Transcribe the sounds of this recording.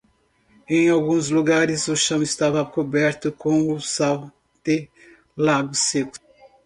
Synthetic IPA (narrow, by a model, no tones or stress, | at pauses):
ẽj̃awɡũzluɡaɾɪzʊʃɐ̃w̃ɪst̪avɐkobɛɾt̪ʊkõw̃ʊsaw | d̪̥ɪ | laɡʊsekʊ̥